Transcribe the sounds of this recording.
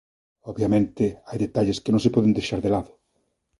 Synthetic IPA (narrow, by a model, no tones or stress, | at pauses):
ɔβjamẽnt̪ɪajðet̪aʎɪskɪnõŋsepɔðɪnd̪ejʃaɾðelaðʊ